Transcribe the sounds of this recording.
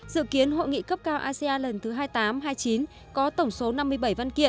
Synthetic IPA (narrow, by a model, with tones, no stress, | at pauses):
zɨ̰˧˨ki˨˦ənɦo̰˧˨jŋḭ˧˨kə˦˥p̚kaː˧wʔaː˧si˧aː˧lə˨˩nt̪ʰɨ˨˦ɦaː˧jt̪aː˨˦mɦaː˧jt͡ɕi˨˦n | kɔ˨˦t̪ə˧˩wŋ͡mso˨˦na˧mːɨ˧əjɓə˧˩jva˧nkḭ˧˨ən